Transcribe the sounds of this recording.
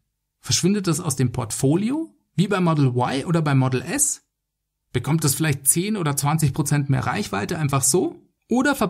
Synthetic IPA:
fɛɐʃv̥ɪndət̚d̥asaʊsd̥eːmpʰɔɐtfoːljoː | viːbaɪmɔdl̩waɪʔoːdɐbaɪmɔdl̩ʔɛs | b̥əkʰɔmt̚d̥asfɪlaɪçt̚t͡seːnʔoːdɐt͡sv̥ant͡sɪçpʁ̥ot͡sɛntmeːɐʁa̰ɪçv̥aɪtəʔaɪnfaχz̥oː | ʔoːɾɐfɛɐ

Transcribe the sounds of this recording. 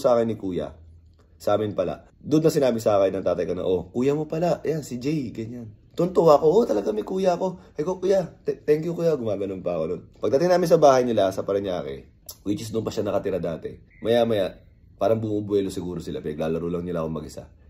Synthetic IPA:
saːkɪnːɪkuːjɐ̰ | sɐʔaːmɪnpɐla̰ʔ | d̪ʊd̪ːɐsɪnaːbɪsɐaːkɐnːɐŋt̪aːt̪ɐjkɐnɐ̰ʔo̞kuːjɐmopɐlajansɪd͡ʒɛjɡɐɲant̪ʊnt̪owako̞ʔot̪ɐlɐɡaŋmɐkuːjɐɐko̞ʔɐjkokujat̪ɛt̪ɛŋkjʊkuːjaɡʊmaːɡɐnonpɐɐkod̪onpɐɡ̚d̪ɐt̪ɪŋnaːmɪnsɐbaːhɐjnɪlasɐpɐɾɐɲaːkɛ̰ | wit͡ʃɪs̬d̪ʊnpɐʃanɐkɐt̪ɪɾad̪aːt̪ɛ̰ | mɐjamɐja | paːɾɐŋbʊmubwɛːlosɪɡuːɾo̞sɪla̰pɪnɐɡlaːlɐɾolɐŋnɪlakoŋmɐɡɪsa̰

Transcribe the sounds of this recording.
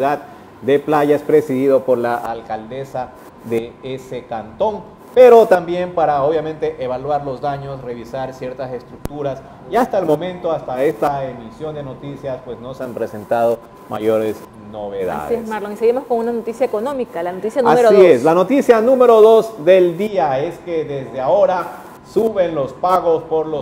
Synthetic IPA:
uðad | d̪e̞plaʝaspɾe̞siðiðopo̞ɾlaʔa̰lkald̪e̞sa | ðeese̞kant̪o̞ŋ | pe̞ɾo̞t̪ambje̞mpaɾaoβjamẽ̞nt̪e̞ʔeβalwaɾlo̞zd̪aɲo̞sre̞βisaɾsje̞ɾt̪ase̞st̪ɾuk̚t̪uɾas | iast̪aelmo̞mẽ̞nt̪o̞ast̪aest̪aemisjo̞nd̪e̞no̞t̪isjaspwe̞sno̞seampɾese̞nt̪aðo̞ | ma̰ʝo̞ɾes | no̞βeða̰esmaɾloŋiseɣimo̞skonunanot̪isjaeko̞nõmikalanot̪isjanuameɾosieslano̞t̪isjanũme̞ɾo̞ðo̞zðe̞ld̪iae̞ske̞ðe̞zd̪eao̞ɾa | suβe̞nlo̞spaɣo̞spo̞ɾlo

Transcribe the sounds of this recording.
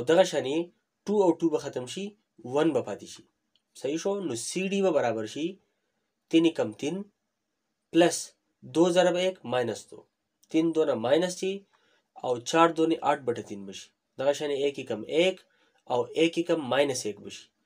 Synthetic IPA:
awd̪ɐɣɐʃaːne | ʈuawʈubɐxɐt̪ɐmʃi | wɐnbɐpaːt̪iʃi̥ | sɐiʃonosiɖibɐbɐɾaːbɐɾʃi | t̪inikɐmt̪in | plɐs | d̪oːzɐɾɐbɐeːkmaːjnɐst̪o̰ | t̪ind̪oːnɐmaːjnɐst̪i | a̰wt͡ʃaːɾd̪oːneʔɐʈ̚bɐʈɐt̪inbɐʃi̥ | d̪ɐɣɐʃaneekːikɐmek | awekːikɐmːaːjnɐseːkbɐʃi̥

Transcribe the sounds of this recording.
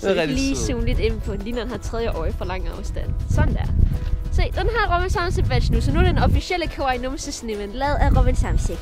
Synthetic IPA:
liːsuːnlid̥e̝n̩pʰɒ̽nliːnɒdenhɑt͡sʰʁɛð̞ˠjəʔɒ̰ːɪfɒlɑ̈ŋ̰ɑ̈ʊsd̥æn̰sɒ̽nd̥æɐ̰sed̥enɦɑ̈ʁɔbinsɑ̈ʊmse̥ʋæ̥ɕnusɒnuɐd̥enɒ̽fisiel̰əkʰoɑ̈ɪnɔmsesnimenlɛːð̩ˠæʁɔbinsɑ̈mseɡ̥

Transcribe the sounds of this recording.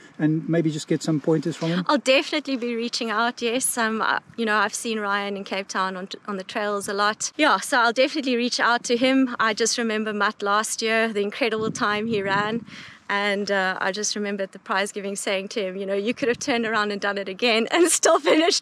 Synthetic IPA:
ɨ̃nmeɪbid͡ʒʌsɡ̥ɛtsʌ̃mpʰɔ̃ɪ̃ntɨz̥fɹə̃mɪ̃mʔaɪlˠdɛfənɨtˡlbiɹit͡ʃɪ̃ŋaʊtjɛsʌ̃ma̰jɨñoʊaɪv̥sĩnɹaɪɨ̃nɨ̃nkʰeɪp̚tʰãʊ̃nə̃nʔə̃nðətʰɹ̥eɪlˠzəlɔtjæsoʊaɪlˠdɛfənɨtˡliɹit͡ʃa̰ʊtʰɨɪ̃ma̰ɪd͡ʒʌst̚ɹɨmɛ̃mbə˞mʌtlæst̚jɪɹðiɨ̃nkʰɹ̥ɛɾəbl̩ˠtʰãɪ̃miɹæ̃nʔə̃nʌa̰ɪd͡ʒʌst̚ɹɨmɛ̃mbə˞t̪̚ðəpʰɹ̥aɪzɡɪvɪ̃ŋseɪɪ̃ŋtʰɨɪ̃mjɨnoʊjɨkʰʊɾɨv̥tʰɜ̃˞ndə˞ãʊ̃ndɨ̃ndʌ̃nɨɾɨɡɛ̃nɨ̰̃nstɔlˠfɪnɪʃt

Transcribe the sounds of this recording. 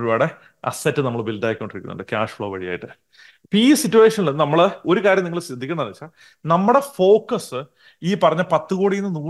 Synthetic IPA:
ɾubaːɽe | ɐ̰sɐtːɨnɐmːɐɭbildaːjikʲːo̞ɳɖirikʲːunːṵɳɖɨkʲaːʂfɭo̞ːʋɐɻija̰ːjiʈːɨ | piːsitːue̞ːʂɐnilenːɨnɐmːɐɭo̞ɾukaːɾjɐmniŋːɐɭsɐd̪ʱikʲːɐɳɐnɐɐt͡ɕːa | nɐmːuɽe̞fo̞ːkːɐsɨ | iːpɐrɐɲːɐpɐt̪ːɨɣoːɽijinːɨnu

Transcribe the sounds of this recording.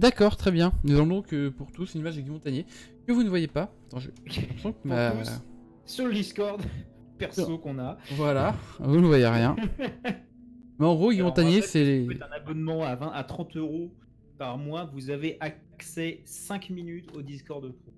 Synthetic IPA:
d̪akɔʁt̪χɛbjɛ̃nusɑ̃d̪ɔ̃kəpuʁt̪usnimaʒɡʲimɔ̃t̪aɲje | kəvunəvwajepa | t̪ɑ̃ʒøsɔ̃ma | syʁləd̪iskɔʁd̪ | pɛʁsokɔ̃navwalavunvwajeʁjɛ̃ | mɛɑ̃ɡʁoɡimɔ̃t̪aɲesɛleɛt̪ɛ̃nabɔnmɑ̃avɛ̃ʔat̪χɑ̃t̪øʁo | paʁmwavuzaveʔa | ksɛsɛ̃kminyt̪od̪iskɔʁd̪t̪o

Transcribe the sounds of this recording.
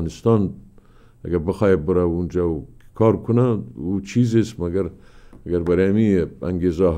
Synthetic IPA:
nɪst̪ɑn | aɡaɾbəxɑjabəɾaund͡ʒakʰɑɾkʰunaut͡ʃʰizest̪maɡaɾaɡaɾbaɾeamia̰ŋɡeza

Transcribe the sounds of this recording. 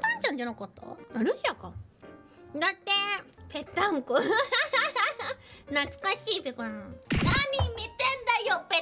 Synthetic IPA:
t̪ãɲ̟t͡ɕãɲd͡ʑanokot̪o̰aɾɯ̟ɕiakã | d̪at̪ːe̞pe̞t̪ːãŋko | nat͡sɨ̥kaɕiːpekonãnaɲʲimit̪ẽnd̪ajope

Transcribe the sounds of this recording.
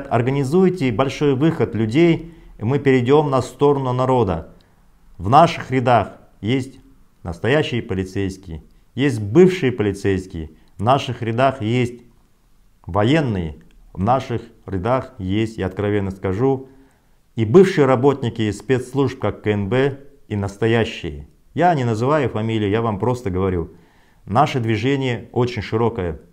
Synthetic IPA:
t̪ɐ̰rɡənʲɪzujtʲɪbɐlʲʂo̞jvɨxət̪lʲʉdʲejmɨpʲɪɾʲɪdʲo̞mnɐst̪o̞ɾənʊnɐɾo̞d̪ə̰ | vnaʂɨxrʲɪd̪ax | jesʲtʲ | nəst̪ɐjæɕːɪjəpəlʲɪt̪sejskʲɪjə | jesʲt̪̚ʲbɨfʂɨjəpəlʲɪt̪sejskʲɪjə | vnaʂɨxɾʲɪd̪axjesʲtʲ | vɐje̞nːɨjə | vnaʂɨxɾʲɪd̪axjesʲtʲɪɐt̪̚kɾɐvʲe̞nːəskɐʐu | ibɨfʂɨjəɾɐbo̞t̪ʲnʲɪkʲɪspʲet̪slˠuʐp̚kakːəɛnbɛinəst̪ɐjæɕːɪ̰jə̰ | janʲɪnəzɨvajʊfɐmʲilʲɪjɪjavampɾo̞st̪əɡəvɐɾʲu | naʂəd̪vʲɪʐenʲɪjəot͡ɕɪnʲʂɨɾo̞kəjə

